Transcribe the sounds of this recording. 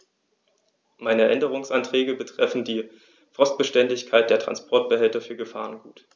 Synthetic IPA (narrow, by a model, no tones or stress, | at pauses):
maɪnəʔɛndəʁʊŋsʔantʁ̥ɛːɡəbətʁ̥ɛfn̩diː | fʁ̥ɔstb̥əʃtɛndɪçkʰaɪt̚d̥eːɐtʁ̥a̰nspʰɔɐt̚b̥əɦɛltɐfyːɐɡəfa̰ːʁənɡuːt